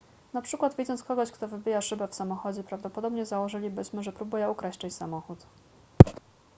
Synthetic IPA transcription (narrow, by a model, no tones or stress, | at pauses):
napʂɘkwad̪vʲid̪zɔnt̪skɔɡɔɕkt̪ɔvɘbʲijaʂɘbɛfsamɔxɔd͡ʑɛpɾavd̪ɔpɔd̪ɔbɲɛzawɔʐɘlʲibɘɕmɘʐɛpɾubujɛukɾaɕt͡ʂat͡ɕsamɔxut̪